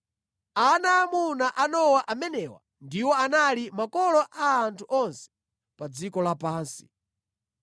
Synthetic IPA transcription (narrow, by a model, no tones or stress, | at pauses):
anamunaʔanɔwaʔamɛnɛwa̰ | ndiwɔanalimakɔlɔʔaːntʰuʔɔnsɛ̥ | pad͡zikɔlapaːnsi̥̰